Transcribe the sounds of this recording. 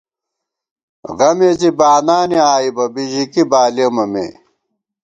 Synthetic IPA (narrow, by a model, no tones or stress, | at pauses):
ɣɐmet͡sibaːnaːniaːibɐbiʑikibaːlemɐmḛː